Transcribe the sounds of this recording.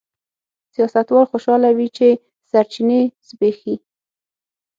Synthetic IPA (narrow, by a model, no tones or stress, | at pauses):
sijɑsat̪wɑlxoʃɑlawit͡ʃe | saɾt͡ʃinesbexi